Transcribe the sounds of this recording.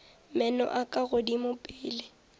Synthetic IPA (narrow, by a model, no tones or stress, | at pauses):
mɛnɔ̰ʔakʼaɣʊdimʊpʼɪːlɪ